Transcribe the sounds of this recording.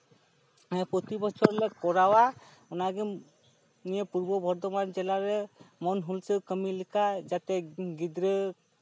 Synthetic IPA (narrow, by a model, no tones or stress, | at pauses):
ɛ̃pɾot̪ibɔt͡ʃʰɔɾlɛkɔɾawaunaɡɛ | nijepuɾbɔbʱɔɾd̪ɔmand͡ʒɛlaɾɛmɔnɦulsewkəmilikʰad͡ʒat̪ɛɡid̪ɾə